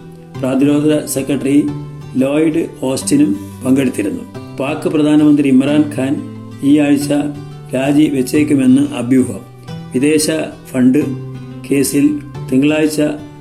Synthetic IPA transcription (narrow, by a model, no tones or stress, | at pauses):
praːd̪iɾo̞ːd̪ʱɐse̞kːɐʈːɐri | loːjiɖɨo̞ːstinumpɐŋɡe̞ɽut̪ːiɾunːṵpaːkːɨprɐd̪ʱaːnɐmɐnd̪rimɐraːnkʰaːn | iːaːɻit͡ɕːɐ | ɾaːd͡ʑiʋet͡ɕːeːkʲːume̞nːɨʔɐbʱjuːbɐm | ʋid̪e̞ːɕɐfɐɳɖɨke̞ːsilt̪eŋɡɐɭaːɻit͡ɕːɐ